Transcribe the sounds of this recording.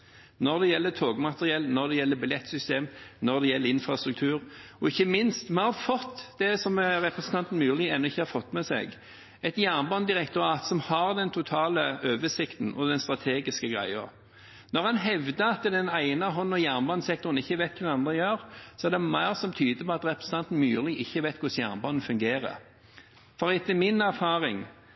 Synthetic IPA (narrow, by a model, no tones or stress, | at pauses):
nɔʁd̪ɛjɛlːət̪ʰoːɡmɑt̪əʁɪɛlːnɔɾd̪ɛjɛlːəbɪlɛt̪ːsʏst̪eːmnɔʁd̪ɛjɛlːəɾɪnfɾɑst̪ɾʉk̚t̪ʰʉːɾɔɪçːəmɪnst̪mɛnhɑfɔt̪ːd̪ɛsɔmʁɛpɾɛsən̩t̪ʰɑnt̪n̩mʉːlɪɛnːɔɪçːəhɑɾfɔt̪ːmɛsɛ̰ɡ | ɛt̪jæʁnbɑnd̪ɪʁɛkt̪ʊɾɑːt̪sɔmhɑʁd̪ɛnt̪ʰʊt̪ʰɑːləʔøːʋəsɪkt̪n̩ʔɔd̪ɛnst̪ʁɑt̪ʰeːɡɪskəɡʁæ̰ɪə̰ɾ | nɔʁhɑnɦɛʋd̪əɑt̪d̪ɛnæɪnəɦɔnːɔjæʁnbɑnsɛkt̪ʊɾən̩ɪçːəʋæɪt̪kʰʉɾɑnd̪ʁəjøːɾsɔɛæʁd̪ɛmæɪʁsɔmt̪ʰyːd̪əpɔɑt̪ɾɛpɾsn̩t̪ʰɑnt̪n̩mʉːlɪʔɪçːəʋæɪt̪kʰʊsjæ̰ʁnbɑnːəfʉŋɡeːɾə̰ | fɔʁɪt̪ːəmɪnæʁfɑːɾɪŋ